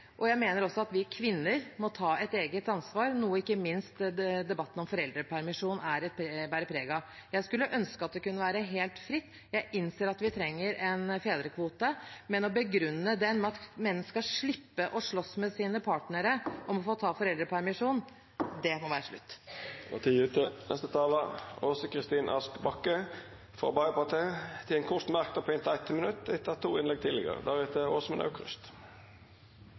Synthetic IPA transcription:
ʔɔjæɪmeːnəɾɔsːɔɑt̪ʋɪkʰʋɪnːəɾmɔt̪ʰɑːɛt̪eːɡət̪ɑnsʋɑːɾnuːəɪkːəmɪnst̪d̪ɛbɑt̪ːən̩ɔmfɔɾɛld̪ɾəpʰæɾmɪʂuːnæɾɛt̪pʰbæːɾəpʰɾeːɡɑ | jæɪskʉlːəʔœnskəɑt̪̚d̪ɛkʉnːəʋæːɾəɦeːlt̪fɾɪt̪ː | jæɪʔɪnseːɾɑt̪ʋɪt̪ʰɾɛŋːəɾɛnfeːd̪ɾəkʰʋuːt̪əmɛnɔbəɡɾʉnːəd̪ɛmɛɑt̪mɛnːskɑʂɭɪpːəʔɔʂɭɔsmɛsiːnəpʰɑːʈnəɾəʔɔmɔfoːt̪ʰɑːfɔɾɛld̪ɾəpʰæɾmɪʂuːn | d̪ɛmɔʋæːɾəʂɭʉ̰t̪ːɔ̰t̪ʰiʉt̪ʰənɛ̰st̪ət̪ʰɑːləosəkʰɾɪst̪iːnʔɑ̰skbɑkːə | fʁɑ̰bɑəpɑt̪ʰeːt̪ʰɪlɛnkʰʊst̪mæʁkt̪əpʰɔɪnt̪æɪt̪ʰːəmənʉt̪ːɪt̪ʰːɑt̪ʰːuːɪnlɛɡ̚t̪ʰɪlɪ̰ɡə̰ʁə̰d̪æʁɛt̪ʰəoːsɔmɛnʔɑ̰ʉkʰʁʉ̰st̪

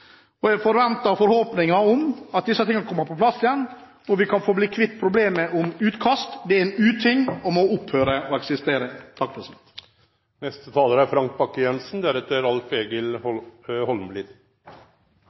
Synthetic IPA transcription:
ɔjæfɔɾʋɛnt̪ɑɾfɔɾhoːpnɪŋɑɔmɑt̪̚d̪ɪsːət̪ʰɪŋːɑkʰɔmːɑpɔpʰlɑsːjɛnː | ɔʋɪkʰɑnfoːbliːkʰʋɪt̪ːpʰɾʊbleːməʔɔmʉːt̪kʰɑst̪d̪ɛæɾɛnʉːt̪ʰɪŋːɔmɔʊphøːɾəɔɛksɪst̪eːɾət̪ʰɑk̪ːɛsmɪt̪ | nɛst̪ət̪ʰɑːləɾæɾfɾɑŋk̚bɑkːəjɛnsnd̪æɾɛt̪ːəɾɑlfeːɡəlɔhɔlmlɪd̪

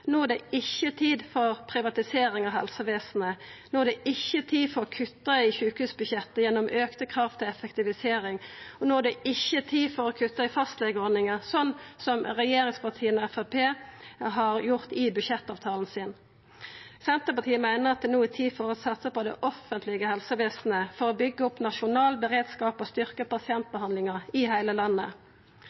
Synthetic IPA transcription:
nuːæd̪ɛɪçːət̪ʰiːd̪fɔʁpʰɾɪʋɑt̪ɪseːɾɪŋɑʋɦɛlsəʋeːsn̩ənoːæd̪ɛʔɪçːət̪ʰiːfɔɾɔkʰʉt̪ːəɪçʉːkhʉːsbʉçɛt̪ːəjɛnːɔmʔøːkt̪əkʰʁɑft̪ʰɪlɛfəkt̪ɪʋɪseːɾɪŋɔnoːæd̪ɛʔɪçːət̪ʰiːfɔɾɔkʰʉt̪ːəɪfɑst̪leːɡəɔːnɪŋəsɔnːsɔmʁɛjeːɾɪŋspɑt̪ʰiːənɔɛfæpʰeːɦɑʁjʊʁt̪ɪbʉʃɛt̪ːɑːʋt̪ʰɑːln̩sɪn | sɛnt̪əpɑt̪ʰiːəmæɪnəʁɑt̪̚d̪ɛnuːɪt̪ʰiːfɔʁɔsɑt̪səpɔd̪ɛ̰ʔɔfənt̪lɪɡəhɛlsəʋeːsn̩əfɔʁoːbʏɡːəʊpnɑʃʊnɑːlbəʁeːd̪skɑːpɔst̪ʏʁkəpɑsɪɛnt̪̚bəhɑnd̪lɪŋəʁɪhæɪləlɑnːə̰

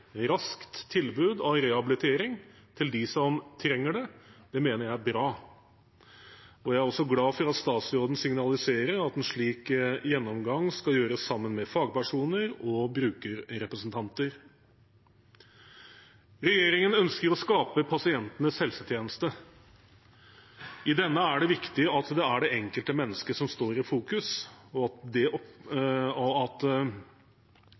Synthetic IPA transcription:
ɾɑskt̪ʰːɪlbʉːd̪ɑʋɾɛhɑbɪlɪt̪ʰeːɾɪŋ | t̪ʰɪld̪ɪsɔmt̪ʰɾɛŋːəɖɛd̪̥ɛmeːnəɾjæɪbɾɑː | ɔjæɪæɾɔsɔɡlɑːfɔɾɑt̪st̪ɑːt̪sɾoːd̪n̩sɪŋnɑlɪseːɾəɾɑt̪ɛnʂɭiːkjɛnːɔmɡɑŋskɑjøːɾəsːɑmːənmɛfɑːɡ̚pæʂuːnəɾɔbɾʉːkəɾɾɛpɾəsnt̪ʰɑnt̪əɾ | ɾɛjeːɾɪŋənœnskəɾɔskɑːpəpʰɑsɪɛnt̪ənəshɛlsət̪ʰjeːnəst̪ə | ɪd̪ɛnːəæɖɛʋɪkt̪ɪəɑt̪d̪ɛæɖɛʔɛŋkəlt̪əmɛnːəskəʂɔmst̪oːɾɪfuːkʉsɔd̪ɛʔɔ | ɔɑt̪

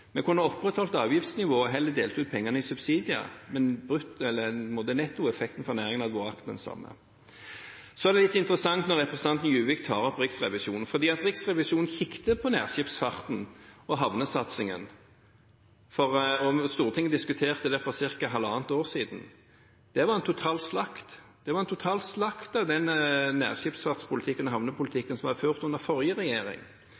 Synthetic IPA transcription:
mɛkʰʊnːəɔpʁɛt̪hɔlt̪ɑːʋjɪft̪snɪʋoːɔɦɛlːəd̪eːlt̪ʰuʉt̪̚pʰɛŋːɑnəɪsʉbsiːd̪ɪə̰mɛnbʁʉt̪ɛlːəmoːd̪ənɛt̪ːuːɛfɛk̚t̪n̩fɔʁnæːʁɪŋənɑd̪ʋoːʁɑkt̪d̪ɛnsɑ̰mːə̰ | sɔæʁd̪ɛlɪt̪ːɪnt̪ʁəsɑŋt̪nɔʁɛpɾʁɛsən̩ʰɑnt̪n̩jʉːʋɪkt̪ʰɑːʁɔpʁɪksʁɛʋɪʃuːnn̩fɔʁd̪iːɑt̪ʁɪksʁɛʋɪʃuːn̩çɪkt̪əpʰɔnæ̰ːʁɕɪfsfɑʁt̪n̩ɔɦɑʋnəsɑt̪sɪŋə̰n | fɔʁɔst̪uːʁət̪ʰɪŋːəd̪ɪskʉt̪ʰeːʁt̪əd̪ɛfɔsɪʁkɑɦɑlɑːnt̪oːʁsiːd̪n̩ | d̪̥ɛʋɑʁɛnt̪ʰʊt̪ʰɑːlslɑkt̪d̪̥ɛʋɑʁɛnt̪ʰʊt̪ʰɑːlslɑkt̪ɑʋd̪ɛnnːæ̰ːʁʃɪpsfɑʁt̪spʰʊlɪt̪ʰɪkːənɔhɑʋnəpʰʊlt̪ʰɪkːənsɔmhɑd̪əføːʁt̪ʉnəʁfɔʁjəʁɛjeːʁɪ̰ŋ

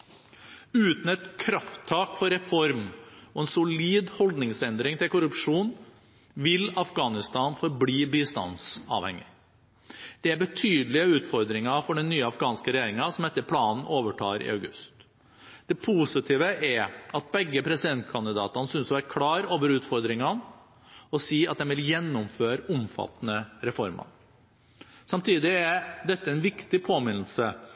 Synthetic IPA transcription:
ʉːt̪n̩ɛt̪kʰɾɑft̪ʰːɑːkfɔɾɛfɔɾmɔɛnsʊliːd̪hɔld̪nɪŋsɛnd̪ɾɪŋt̪ɪlkʊɾʉpʂuːn | ʋɪlɑfɡɑːnɪst̪ɑːnfɔɾbliːbɪst̪ɑ̰nsɑ̰ʋhɛ̰ŋɪ̰ | d̪̥ɛæɾbət̪ʰyːd̪əlɪəʉːt̪fɔɾd̪ɾɪŋɑfɔɖɛnːyːəɑfɡɑːnskəɾɛjeːɾɪŋɑsɔmɛt̪ːəɾpʰlɑːnn̩oːʋəʈʰɑ̰ːɾɪ̰œʉɡʉst̪ | d̪̥ɛpʰuːsɪt̪ʰiːʋəʔæɾɑt̪̚bɛɡːəpʰɾɛsɪd̪ɛnt̪kʰɑnd̪ɪd̪ɑ̰ːt̪ɑnəsʏnsɔʋæːɾkʰɽɑːɾoːʋəɾʉːt̪fɔɾd̪ɾɪŋɑn | ɔsiːɑt̪̚d̪ɛnʋɪljɛnːʊmføːɾʊmfɑ̰t̪ːnəɾɛfɔɾmɑ̰ | sɑmt̪ʰiːd̪ɪæɾd̪ɛt̪ːəæɛnʋɪkt̪ɪpʰoːmɪnl̩sə

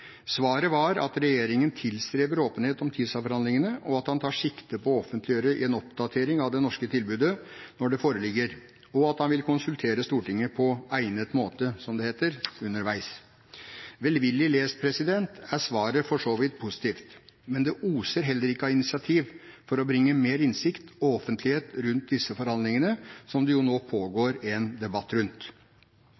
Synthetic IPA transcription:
sʋɑːɾəʋɑɾɑ̰t̪ɾɛjeːɾɪŋənt̪ʰɪlst̪ɾeːbəɾoːpənheːt̪ɔmt̪ʰiːd̪sɑfɔɾhɑnd̪ɪŋənəʔɔɑt̪hɑnt̪ʰɑːʂɪkt̪əpʰɔɔfənt̪lɪøːɾəɪ̰ɛnɔp̚d̪ɑt̪ʰeːɾɪŋɑʋd̪ɛnɔʂkət̪ʰɪlbʉːd̪ənɔɖɛfoːɾəlɪɡːəɾ | ɔɑt̪hɑnʋɪlkʰʊnsʉlt̪ʰeːɾəst̪uːʈɪŋːəpʰɔæɪnət̪moːt̪əsɔmd̪ɛheːt̪əɾʉnːəɾʋæɪs | ʋɛlʋɪlːɪleːspʰɾɛsɪd̪ɛnt̪æsʋɑːɾəfɔʂoːʋɪt̪̚pʰʊsɪ̥t̪ʰiːft̪mɛnd̪ɛʔuːsəɾɦɛlːəɾɪkːəɑɪnɪsɪɑt̪ʰiːʋfɔɾɔbɾɪŋːəmeːɾɪnsɪkt̪ɔɔfənt̪ʰlɪheːt̪ɾʉnt̪̚d̪ɪsːəfɔɾhɑnd̪lɪŋənəsɔmd̪ɛjʊnoːpʰoːɡoːɾɛnd̪ɛbɑt̪ːɾʉnt̪

